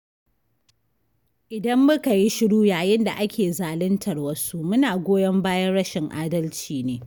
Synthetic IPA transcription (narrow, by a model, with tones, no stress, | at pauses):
ʔɪ˨dɐ˦mːʊ˦ka˨ji˦ʃɪ˦ɽuː˦jaː˨jɪ˦nda˨ʔa˦kʲʰeː˨zaː˨lɪ˦ntʰɐ˨rwɐ˦su˦ʔmʊ˦naː˨ɡʷoː˦jɐ˦mbaː˦jɐ˦nɽɐ˦ʃɪ˨ŋʔaː˦dɐ˦lt͡ʃiː˨neː˦